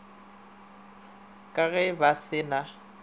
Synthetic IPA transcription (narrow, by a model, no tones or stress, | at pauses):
kʼaɣɛbasɪna